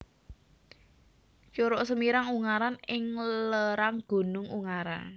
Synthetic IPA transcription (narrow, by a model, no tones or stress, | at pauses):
t͡ʃoɾɔsəmiɾaŋuŋaɾanɪŋləɾaŋɡ̥o̤nʊŋṵŋaɾa̰n